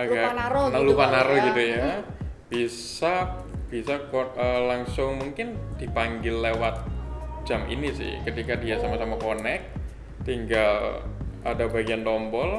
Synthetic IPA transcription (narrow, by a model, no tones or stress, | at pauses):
kaonalupanaɾoɡit̪ujab̥issab̥isakoəlaŋsʊŋmuŋkɪnd̥ipaŋɡɪlːewat̪̚d͡ʒ̥amʔḭnisɪ̰hkət̪ikadiasamasamakonɛk̚ | t̪iŋɡaladabaɡiant̪ɔmbɔl